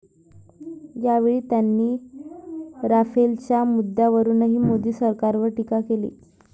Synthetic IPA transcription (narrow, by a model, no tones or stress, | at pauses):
jaʋeɭiːt̪janːiː | ɾafelt͡ɕjamud̪ːaʋəɾuːnaɦiːmod̪iːsəɾkaɾʋəɾʈikakelḭː